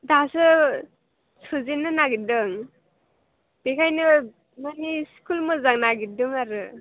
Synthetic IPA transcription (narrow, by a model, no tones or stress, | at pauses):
dasɯ | sɯzenɯnaɡidɯŋ | b̥ekʰajnɯ | maniskulmɯzaŋnaɡidɯŋaɾɯ